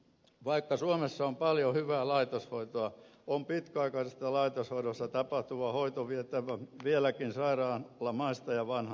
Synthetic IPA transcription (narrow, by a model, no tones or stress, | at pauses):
ʋɑikːɑsuomesːɑompɑljohyʋæːlɑit̪oshoit̪oɑompit̪kɑikɑisest̪ːɑlɑit̪oshoiɾost̪ɑt̪ɑpɑht̪uʋɑhoit̪oʋiet̪ːˑæʋæʋielækinsɑirɑːlːɑmɑist̪ɑjɑʋɑnhɑ